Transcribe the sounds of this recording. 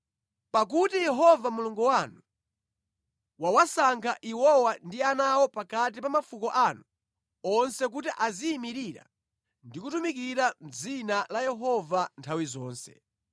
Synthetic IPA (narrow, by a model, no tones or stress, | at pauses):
pak̬utijɛɦɔvamuluŋɡuwanu | wawasaŋkʰaʔiwɔwandianawɔpakat̬ipamafukɔʔanu | ɔnsɛk̬utiʔaziːmiɾiɾa̰ | ndikutumik̬iɾam̩d͡zinalajɛɦɔvantʰawizɔːnsɛ̰